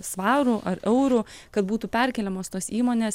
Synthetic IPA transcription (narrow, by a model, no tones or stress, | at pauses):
sʋɑːɾuʔɐɾɛʊɾu | kɐt̪buːt̪uːpʲɛɾʲkʲɛlʲɛmoːst̪oːsiːmoːnʲeːs